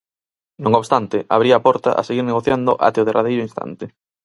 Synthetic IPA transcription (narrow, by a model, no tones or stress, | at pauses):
nõŋoβst̪ant̪ɪʔa̰β̞ɾiaːpɔɾt̪a̰ʔa̰seɣiɾneɣ̞oθjand̪ʊʔa̰t̪eoð̞erʔað̞ejɾʊinst̪ʰa̰nt̪ɪ